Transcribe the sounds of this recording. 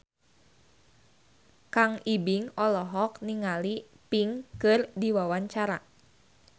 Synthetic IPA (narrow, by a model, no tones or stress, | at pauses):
kaŋibiŋɔlɔɦɔkniŋali | piŋkɨrdiwawaɲt͡ʃaɾa̰